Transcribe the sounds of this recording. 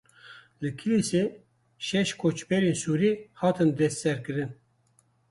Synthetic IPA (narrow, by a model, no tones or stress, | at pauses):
lɨkʰiliseː | ʃɛʃkʰot͡ʃbɛɾensuːɾihɑːt̪ʰɨnd̪ɛst̪sɛɾkɨɾɨn